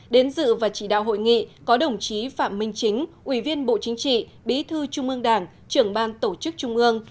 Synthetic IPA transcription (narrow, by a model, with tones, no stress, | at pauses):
ɗe˨˦nzɨ̰˧˨vaː˨˩t͡ɕi˧˩ɗa̰ː˧˨wɦo̰˧˨jŋḭ˧˨kɔ˨˦ɗə˨˩wŋ͡mt͡ɕi˨˦faː˧˩mːï˧ŋ̟t͡ɕï˨˦ŋ̟ʔwi˧˩vi˧ənɓo̰˧˨t͡ɕï˨˦ŋ̟t͡ɕḭ˧˨ | ɓḭ˨˦t̪ʰɨ˧t͡ɕʊ˧ŋ͡mʔɨ˧əŋɗaː˧˩ŋ | t͡ɕɨ˧˩əŋɓaː˧nt̪o˧˩t͡ɕɨ˦˥k̚t͡ɕʊ˧ŋ͡mʔɨ˧əŋ